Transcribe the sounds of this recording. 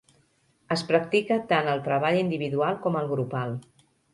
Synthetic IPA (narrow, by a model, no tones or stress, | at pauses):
əspɾək̚t̪ikət̪anəlˠt̪ɾəβ̞aʎind̪iβiðualˠkɔməlˠɣɾupalˠ